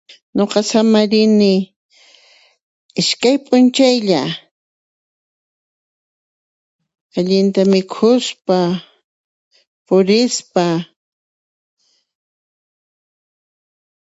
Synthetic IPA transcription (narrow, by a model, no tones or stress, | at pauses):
ɲoqɑsamaɾɪnɪ | ɪʃkajpʼʊnt͡ʃajʎa | aʎɪnt̪amɪkʰʊspa | pʊɾɪspa